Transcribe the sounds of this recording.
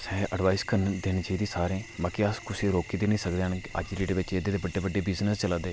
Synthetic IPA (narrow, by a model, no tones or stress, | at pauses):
sɛ̃ːʔəɖʋaːɪzkəɾnd̪ɪnd͡ʒəid̪iːsaːɾẽːbãːkiəskʊsiːɾoːkiːd̪eːnĩːsəkd̪eːənə̰d͡ʒɾiːɖeːʋɪt͡ʃed̪eːd̪eːbəɖeːbəɖːeːbɪznəst͡ʃəlaːd̪eː